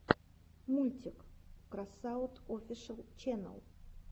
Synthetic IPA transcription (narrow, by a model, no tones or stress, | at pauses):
mulʲt̪ʲɪkkɾasaʊt̪ofʲɪʂəlˠt͡ɕɛnə̰lˠ